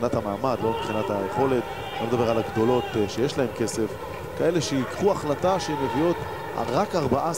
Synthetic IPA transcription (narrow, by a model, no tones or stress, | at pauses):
nat̪hamaːmad̪lo̞mibχinat̪ajeχo̞le̞t̪ | anmed̪abe̞ʁalaɡd̪o̞lo̞t̪ʃejeʃlae̞mke̞se̞f | kae̞leʃejikχuaχlataʃeemevijo̞t̪ | ʁakaʁbaʔa